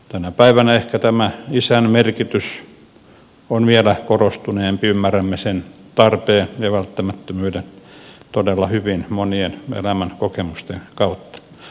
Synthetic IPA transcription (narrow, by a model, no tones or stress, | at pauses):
t̪ænæpæiʋænæehkæt̪æmæisænmerkit̪ys | onʋielækorost̪uneːmpiymːæræmːesent̪ɑrpeːnjɑʋælt̪ːæmæt̪ːømyːdent̪odelːɑhyʋinmonienḛlæmænkokemust̪enkɑut̪ːɑ̥